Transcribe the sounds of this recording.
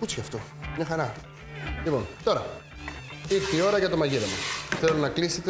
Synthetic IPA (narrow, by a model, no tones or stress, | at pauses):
kut͡sçɐft̪o̞ | mɐxɐɾɐ | lipo̞nt̪o̞ɾɐ | iɾt̪io̞ɾɐʝɐt̪o̞mɐʝiɾɐmuθe̞lo̞nɐkliset̪e